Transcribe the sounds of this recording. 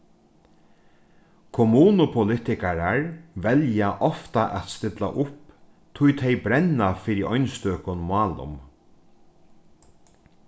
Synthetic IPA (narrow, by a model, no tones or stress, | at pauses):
kʰʊmuːnʊpʰʊlɪt̪ɪkaɾaɹʋɛljaʔɔft̪aʔɛt̪st̪ɪt̪la̰ʔʊp | t̪ʰʊjt̪ʰɛjbɾɛnːafɪɾɪʔɔjnst̪øːkʊnmɑːlʊ̰m